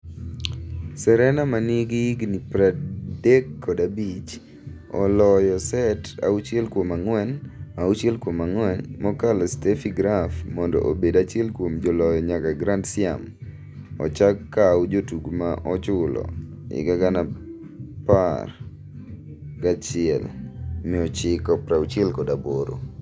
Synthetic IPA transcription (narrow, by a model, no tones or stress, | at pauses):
sɛɾɛnamaniɡiɡnipɾadekːɔdabit͡ʃ | ɔ̰lɔjɔsɛta̰ut͡ʃɛlkwomaŋwɛnmaut͡ʃɛlkwomaŋwɛnmɔkalɔstefiɡɾafmɔndɔ̰ʔobedat͡ʃɛlkwomd͡ʒolɔjɔɲakaɡɾandsɪa̰m | ɔ̰t͡ʃakːawd͡ʒotuɡmaʔɔt͡ʃʊlɔ̰ | ɪ̰ɡaɡana | par | ɡat͡ʃɪɛ̰lmɪɔt͡ʃɪkɔpɾaut͡ʃɛlkɔdaboɾo̰